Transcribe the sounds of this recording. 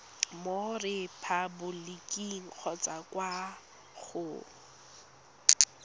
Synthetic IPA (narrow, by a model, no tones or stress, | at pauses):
morɪpʰabʊlɪkʼiŋ̩k͡xʰɔt͡sʼakwa | χʊ